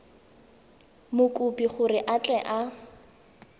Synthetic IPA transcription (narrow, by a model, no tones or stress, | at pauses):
mʊkʼupʼiχʊrɪʔat͡ɬʼɛʔa